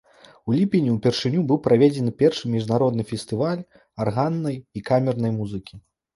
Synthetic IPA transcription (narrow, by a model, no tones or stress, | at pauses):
ulʲipʲinʲiwpʲɛrʂɨnʲubɨwpɾavʲɛd͡zʲɛnɨpʲɛrʂɨmʲiʐnaɾɔd̪̚nɨfʲɛsʲt̪ɨvalʲ | arɣanːɐjikamʲɛrnɐjmuzɨkʲi